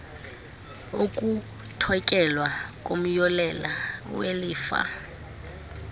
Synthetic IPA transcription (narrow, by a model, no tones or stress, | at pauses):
okʼu | tʰɔkʼɛlwakʼom̩jɔlɛlaweliːfa̰